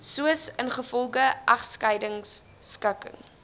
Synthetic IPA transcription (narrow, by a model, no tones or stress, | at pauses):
suəsənχəfɔlˠɡəʔɐχskɐjdəŋsː | kəkə̰ŋ